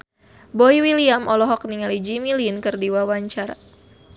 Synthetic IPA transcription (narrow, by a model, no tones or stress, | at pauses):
bɔiwiliamʔɔlɔɦɔk̚niŋalid͡ʒimilinkɨrdiwawaɲt͡ʃaɾa̰